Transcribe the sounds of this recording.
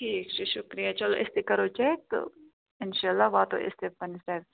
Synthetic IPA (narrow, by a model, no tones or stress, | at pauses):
ʈʰiːkt͡ʃeʃʊkɾijat͡ʃɐloːʔɪst̪ekɐɾot͡ʃaet̪o̰ | ɪnʃaːlːaːʋat̪o̰ɪ̰st̪epɐnist̪a